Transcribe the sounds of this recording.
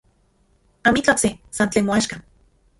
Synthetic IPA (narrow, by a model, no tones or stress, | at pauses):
amit͡ɬoksesant͡ɬeːnmoaʃka